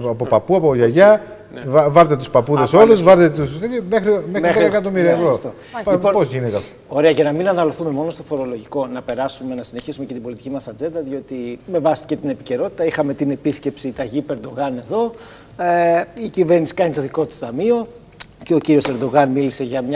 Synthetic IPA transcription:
ɐpopɐpuɐpoʝɐʝɐ | vɐɾt̪et̪uspɐpuðesolluzvɐɾt̪et̪usimexɾimemxɐekɐt̪omiɾiɐvɾost̪o | iponpozʝinet̪eɐfooɾe̞ɐʝɐnɐminɐnɐloθume̞mo̞no̞st̪ofo̞ɾo̞lo̞ʝiko̞nɐpe̞ɾɐsume̞nɐsine̞çisume̞ce̞t̪ibo̞lit̪i̥cimɐsɐd͡ze̞nd̪ɐðio̞t̪ime̞vɐsi̥ce̞t̪ine̞pi̥ce̞ɾo̞t̪i̥t̪ɐixɐme̞t̪ine̞pisce̞psit̪ɐʝipe̞ɾd̪o̞ɣɐne̞ðo̞ | icive̞ɾnisi̥kɐnit̪o̞ðiko̞t̪u̥st̪ɐmio̞ | ceociɾio̞se̞ɾd̪o̞ɣɐnmilise̞ʝɐmɲ

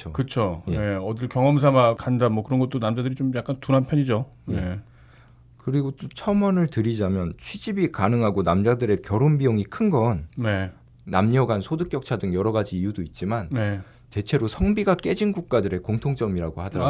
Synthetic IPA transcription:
t͡ɕʰokɯt͡ɕʰojee̞ʌdɯɭkjʌŋʌms̬ʰamakandamwʌkɯɾʌnɡʌt͈̚onamd͡ʑadɯɾit͡ɕomjak͈antunampʰjʌɲid͡ʑo | ne | kɯɾiɡot͡ɕ͈ot͡ɕʰʌmʌnɯɭtɯɾid͡ʑamjʌnt͡ɕʰɥid͡ʑibikanɯŋɦaɡonamd͡ʑadɯɾe̞kjʌɾonbijoŋikʰɯnɡʌnneː | amɲʌɡansʰodɯk͈jʌk̚t͡ɕʰadɯŋjʌɾʌɡad͡ʑiːjudoit̚t͡ɕ͈imanne | te̞t͡ɕʰe̞ɾosʰʌŋbiɡak͈e̞d͡ʑinɡuk̚k͈adɯɾe̞koŋtʰoŋt͡ɕ͈ʌmiɾaɡohadʌɾa

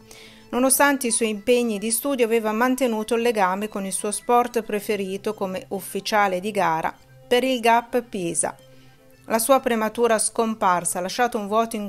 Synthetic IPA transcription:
nonost̪ant̪eiswɔjimpeɲːid̪ist̪uːd̪joaveːvamant̪enuːt̪olːeɡaːmekonilsuːospɔrt̪pɾefeɾiːt̪okomeʔufːit͡ʃaːled̪iɡaːɾa̰ | peɾilɡapːpːjeːza̰ | lasuːapɾemat̪uːɾaskomparsalaʃːaːt̪ouɱvwɔːt̪oiŋ

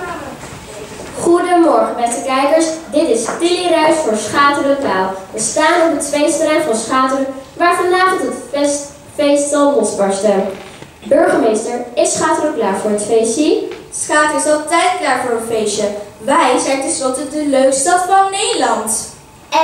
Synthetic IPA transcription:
χudəmɔɹχəmɛtəkɛjkəɹsdɪtɪstɪlirœɥsfʊːɹsχaːtəɾəklaːlˠʋəstaːnəɔpətfejstrɛjfɔnsχaːtərəʋaːɹfɑndaːχətəts | fejstsɑnlɔsbɑɹstə | bɵɹχəmejstəɹɪsχaːtərəklaːɹvʊːɹətfejsisχaːtəɹɪsɑlˠtɛjtklaːɹvʊːɹətfejʃəʋɛjzɛjntɛnslɔtədəløɥkstɑtfɑnːejdəlɑnt

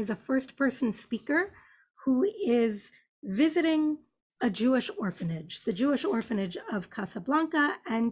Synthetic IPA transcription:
ɨzɨfɜ˞spʰɜ˞sn̩spikə˞ | huɪz | vɪzɨɾɪ̃ŋ | ɨd͡ʒʉɨʃɔɹfɨ̃nɪd͡ʒðɨd͡ʒʉɨʃɔɹfɨ̃nɨd͡ʒʌv̥kʰɑsəblɑ̃ŋkəɨ̃n

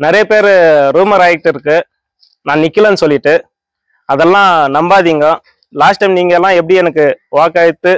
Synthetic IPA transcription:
nɪɾɐjɐpeːɾɾuːmɐɾaːjɛk̚ʈːɪɾɯkːɯ | nãːnɪkːɪlɐ̃nɯsɔlːɪʈːɯ | ɐðɛlːãːnɐmbaːðiːŋɡɐ | laːsʈːɐɪmniːŋɡɐɛlːãːɛp̬ːɐɽiɛnɐkːɯʋaːkaːɪt̪ːɯ

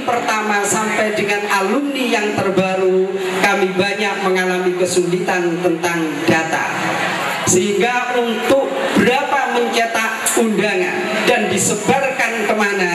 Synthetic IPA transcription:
pərt̪amasampajdəŋanalunːijaŋt̪ərbaɾu | kamibaɲak̚məŋalamikəsulit̪ant̪ənt̪aŋ | d̥at̪a̰ | səɦiŋɡaunt̪ʊk̚b̥əɾapaməɲt͡ʃet̪a | undaŋa̰n | dandisəbarkankəmana

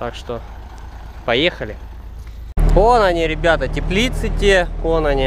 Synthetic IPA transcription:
t̪akʂt̪o | pɐjexəlʲɪ | konɐnʲiɾʲɪbʲat̪ətʲɪplʲit̪sɨt̪ʲekonɐnʲi

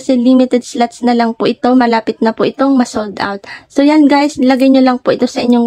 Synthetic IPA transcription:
kɐsɛliːmɪt̪ɛd̪̚slat̪snɐlɐŋpʊʔɪt̪o̞mɐlaːpɪt̪̚nɐpʊʔɪt̪o̞ŋmɐsold̪ʔa̰wt̪̚so̞janɡajslɐɡajɲolɐŋpʊʔɪt̪o̞sɐʔɪɲːo̞ŋ

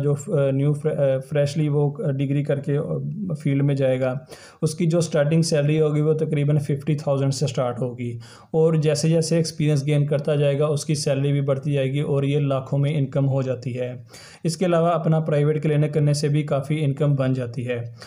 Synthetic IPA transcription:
d͡ʒoːnjuːffɾɛːʃliʋoɖɪɡɾikɐɾkefʰiːlɖmẽd͡ʒaːeːɡaː | ʊskid͡ʒoːsʈaːɾʈ̬ɪ̃ŋɡsɛːləɾiɦoːɡiʋot̪ɐkɾiːbənfɪfʰʈit̪ʰaːʊzə̃ɳɖsesʈaːɾʈɦoːɡiː | ɔːɾd͡ʒɛːsed͡ʒɛːseːkspiːɾijə̃nsɡeːnkɐɾt̪ad͡ʒaːeːɡaʊskisɛːləɾibʱibɐɽ̤t̪id͡ʒaːeːɡiʔɔːɾjelaːkʰõmẽɪ̃nkəmɦod͡ʒaːt̪iɦɛː | ɪskeɐlaːʋaɐpnapɾaːɪʋeːʈ̚keleːnekɐɾnesebʱikaːfiɪ̃nkəmbɐ̃nd͡ʒaːt̪iɦɛː

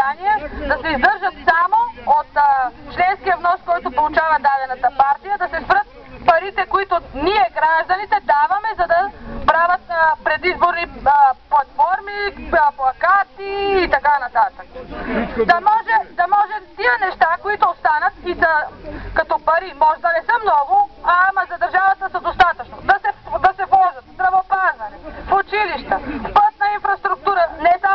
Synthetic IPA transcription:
aniɛd̪ɐsɛizd̪ɤɾʒɐt̪samoot̪ːt͡ʃlɛnskijɐvnɔskɔjt̪opolˠʊt͡ʃavɐd̪ad̪ɛnɐt̪ɐpaɾt̪ijəd̪ɐsɛspɾət̪̚ | pɐɾit̪ɛkoit̪oniɛɡɾaʒd̪ɐnit̪ɛd̪avɐmɛzɐd̪ɐpɾavɐt̪pɾɛd̪izboɾniplˠɐt̪fɔɾmiplˠɐkat̪iːt̪ɐkanɐt̪at̪əkə̥d̪ɐmɔʒɛd̪ɐmɔʒɛmt̪iənɛʃt̪akoit̪ʊːst̪anɐt̪isəkɐt̪ɔpɐɾimɔʒɛd̪ɐnɛsəmnɔɡʊamɐzɐd̪ɐɾʒavɐt̪əsəd̪ost̪at̪ɐt͡ʃnod̪ɐsɛd̪ɐsɛvɔʒɐt̪sd̪ɾɐvopazɐnɛfut͡ʃiliʃt̪əfpət̪nəinfɾɐst̪ɾukt̪uɾənɛsa

